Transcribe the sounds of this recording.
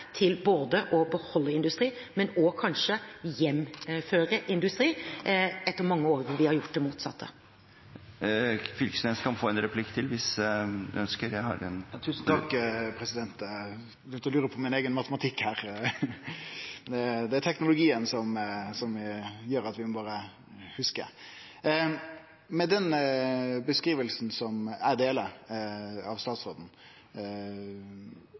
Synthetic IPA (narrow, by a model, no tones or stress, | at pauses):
t̪ʰɪlboːd̪əʔɔbəhɔlːəɪnd̪ʉst̪ɾiː | mɛnɔkʰɑnʃəjɛmføːɾəʔɪnd̪ʉst̪ɾiː | ɛt̪ːəɾmɑŋːəoːɾʋɪhɑɾjʊʈ̚ːd̪ɛmuːt̪sɑ̰t̪ʰːə̰ | fʏlksnɛːskʰɑnfoːɛnɾɛpʰlɪkːt̪ʰɪlʋɪs | œnskəɾjæɪhɑ̰ɾɛnt̪ʰʉːs̩ʰɑkːpʰɾɛsɪd̪ɛnt̪ | ɪt̪əɾɔlʉːɾəpʰɔmɪneːɡənmɑt̪əmɑt̪ʰɪkhæːɾ | d̪ɛd̪ɛæt̪ʰɛknʊlʊɡiːənsɔmsɔmjøːɾɑt̪ʋɪmbɑːʁə | hʉskə̰ | mɛd̪ɛn | bəskɾiːʋəlsn̩sɔmæɾd̪eːlə | ɑʋst̪ɑːt̪soːd̪n̩